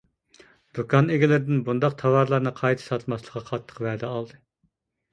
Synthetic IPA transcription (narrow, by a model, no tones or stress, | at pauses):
d̪̥ukʰɑneɡʲɪlɪɾɪd̪ɪnbund̪ɑq̚t̪ʰɑwɑɾlˠɑɾnɨqʰɑjt̪ʰɨ̥sɑt̪ʰmɑslˠə̥qːɑqʰɑt̪ʰːə̥qvɛd̪ɛɑlˠd̪ɨ